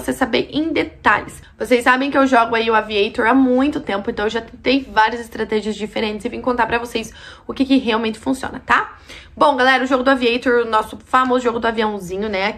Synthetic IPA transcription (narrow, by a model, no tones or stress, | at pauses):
osesabeɾʔẽd̪et̪a̰ʎɪs | vosejsːabẽj̃kɪewʒɔɡʊaiʊaviejt̪oɾamũj̃t̪ʊt̪ẽmpʊẽnt̪ɐ̃w̃ewʒat̪ẽt̪ejvaɾiɐzɪst̪ɾat̪ɛʒiɐzd͡ʒifeɾẽntt͡ʃɪszɪvĩj̃ʊkõnt̪aɾpɾɐvosejsʊkɪkɪɦeawmẽnt͡ʃɪ̥fũsiõ̰nɐt̪abõw̃ɡalɛɾɐʊʒoɡʊd̪ʊaviejt̪oɾʊnɔsʊfamozʊʒoɡʊd̪ʊaviɐ̃w̃zĩɲʊnɛa